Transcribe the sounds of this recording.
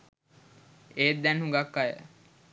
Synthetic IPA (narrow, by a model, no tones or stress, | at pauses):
eːd̪ænhũŋɡakːajə̰